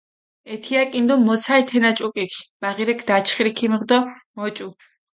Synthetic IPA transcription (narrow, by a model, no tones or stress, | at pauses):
ɛt̪ʰiakʼind̪ɔmːɔt̪sʰajt̪ʰɛnat͡ʃʼukʼikʰb̥aʁiɾɛkʰd̪at͡ʃʰχɾikʰimʁd̪ɔmɔt͡ʃʼu